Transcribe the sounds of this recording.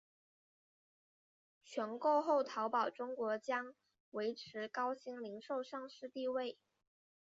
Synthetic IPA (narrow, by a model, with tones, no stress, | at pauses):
t͡ɕʰɥɛ˧˥nko˥˧ʊxo˥˩ʊt̪ʰɑ˧˥ʊpɑ˨˩ʊʈ͡ʂʊ˥ŋkwɔ˧˥t͡ɕjɑ˥ŋ | we˧˥ɪʈ͡ʂʰɻ̩˧˥kɑ˥ʊɕi˧˥ŋli˧˥ŋʂo˥˧ʊʂɑ˥˧ŋʂɻ̩˥˧t̪i˥˧we˥˩ɪ